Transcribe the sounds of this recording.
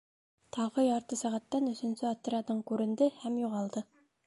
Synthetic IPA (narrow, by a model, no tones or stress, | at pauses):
t̪ʰɑʁɤjɑɾt̪ɤsæʁæt̪ːænɵ̆sɵ̆nsɘɑt̪ːɤ̆ɾɑd̪ɤɴkʉɾɘ̆nd̪ɘhæmjuʁɑlˠd̪ɤ